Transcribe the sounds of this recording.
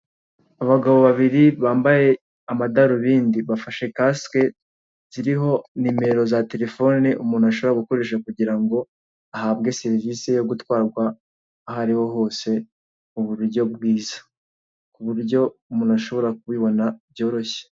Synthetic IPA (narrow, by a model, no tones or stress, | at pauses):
aβaɡaβo̞βaβiɾiβaːmbaje̞ | amadaɾuβiːndiβafaʃe̞kaske | z̥iɾiɦo̞nime̞ɾo̞zate̞ɾe̞fo̞neʔumuːnaʃ̬oβoɾaɡuko̞ɾe̞ːʃ̬akuɟiɾaŋɡo̞ | aɦabɡe̞se̞ɾiviːse̞joɡutwaːɾɡwaː | ɦaɾiho̞ɦo̞ːse̞ | uβuɾuɾɟo̞bɡwiːzḁ | kuβuɾɟo̞umuːnaʃo̞βo̞ɾak̚uβiβo̞nabjo̞ːɾo̞çe̥